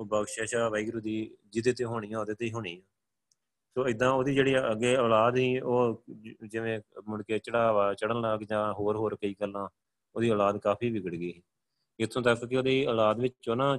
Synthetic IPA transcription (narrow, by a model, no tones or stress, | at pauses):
bəɡʃeːʃaːʋaiːɡɾud̪iːd͡ʒɪd̪eːt̪ẽːɦoːɽ̃iːjãːoːd̪eːt̪eiːɦoːɽ̃iːãː | soːɪd̪ãːoːd̪iːd͡ʒeːɽiːəɡeːəːlaːd̪siːoːd͡ʒɪʋẽːmʊɽkeːt͡ʃəɽaːʋaːt͡ʃəɽənləɡd͡ʒãːɦoːɾɦoːɾkəiːkəlːãː | oːd̪iːɔːlaːd̪kaːpʰiːʋɪɡəɽɡiːɦĩː | ɪt̪ʰːõːt̪əkkeoːd̪iːəːlaːd̪ʋɪt͡ʃoːnãː